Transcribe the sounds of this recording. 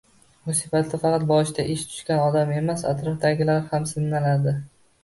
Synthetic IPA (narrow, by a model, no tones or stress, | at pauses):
bʊsɪpat̪ʰlafɑqɑt̪̚bɒʃt̪aʔɪʃt̪ʰʊ̥ʃkʲanɒd̪ame̞masa̰t̪ɾɒfd̪aɡʲɪlaɾhamsɪnːalaɾd̪ɪ